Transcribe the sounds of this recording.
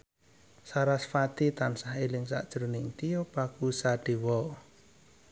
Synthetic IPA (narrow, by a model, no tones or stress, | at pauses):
saɾasfat̪it̪ansahelɪŋsa̰ʔd̥ʒ̥ɾuniŋt̪ijɔpakusaɖ̥i̤wɔ